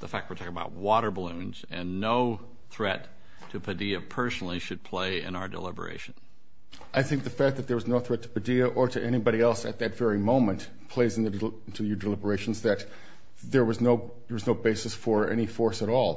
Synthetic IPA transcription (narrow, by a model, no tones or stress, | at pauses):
ðəfæk̚t̚witʰɔkɪ̃əbaʊt̚wɔɾə˞bəlũnzɨ̃nːoʊ | θɹɛtʰ | ɨpʰɨdiɨpʰɜ˞snl̩ˠiʃɨd̚pʰl̥eɪɪ̰̃naʊə˞də̰lɪ̰bə̰˞ḛɪʃɨ̃n̩ | ʔaɪθɪ̃ŋk̚ðɨfæk̚ðɨt̪̚ðə˞wʌznoʊθɹɛtʰə̥pɨdiɨʔə˞ɾɨʔɛɾ̃ibɑɾiɛlˠsɨ̰t̪̚ðɨtv̥ɛɹimõʊ̃mɨ̃n | pʰl̥eɪzɨ̃n̩ðɨ̃ | ntʰʉjə˞dɨlɪbə˞eɪʃn̩zðɨt̪̚ | ðə˞wʌznoʊ | ðə˞wʌznoʊbeɪsɨsfə˞ɛ̰ñifɔɹsəɾɔlˠ